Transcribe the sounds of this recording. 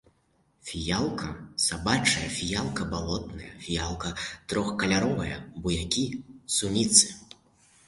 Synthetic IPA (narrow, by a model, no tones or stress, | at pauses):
fʲijalˠkɐsabat͡ʂɐjɐfʲijalˠkɐbalˠɔt̪nɐ̰jɐ̰fʲijalˠkɐt̪ɾɔxkɐlʲaɾɔvɐjɐ̰bujakʲisumʲit̪sɨ̥